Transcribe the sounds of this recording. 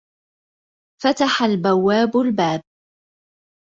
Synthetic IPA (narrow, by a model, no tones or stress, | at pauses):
fat̪aħalbawːaːbʊlbaːb̚